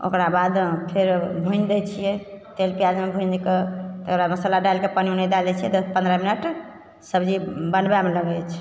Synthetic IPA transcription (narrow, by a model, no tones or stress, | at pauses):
o̰kɾabad̪pʰeɾbʱũjnd̪ɛt͡ʃʰijɛt̪elpijad͡ʒmebʱũjnd͡ʒket̪ɾaməsəlaɖajlkepəniunɛd̪alɛt͡ʃʰijɛt̪əpə̃nd̪ɾəminəʈ | səbd͡ʒibənbeameləɡɛt͡ʃʰ